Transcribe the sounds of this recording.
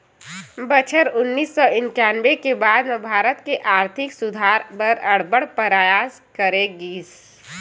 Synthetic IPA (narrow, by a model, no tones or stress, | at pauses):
bət͡ʃʰəɾʊnːiːsːɔɪnt͡ʃaːnʋekebaːd̪mẽbʱaːɾət̪keʔaːɾt̪ʰɪksʊd̪ʱaːɾbəɾəɽ̤bəɽpəɾaːjaːs | kəɾeɡiːs